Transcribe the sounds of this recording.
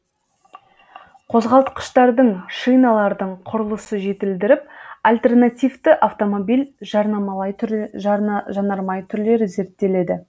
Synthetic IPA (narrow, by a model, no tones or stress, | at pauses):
qʰo̞zʁɑlˠt̪qə̥ʃt̪ɑɾd̪əɴʃijnɑlˠɑɾd̪əɴqʰʊɾəlˠəsəʒe̞t̪ɪld̪ɪɾɪp̚alʲt̪e̞rnat̪ijvt̪əʔaft̪o̞mo̞bijlʲʒɑɾnɑmɑlˠɑjʰ | ʒɑnɑɾmɑjt̪ʰʏɾle̞ɾɪze̞ɾt̪ːe̞le̞d̪ɪ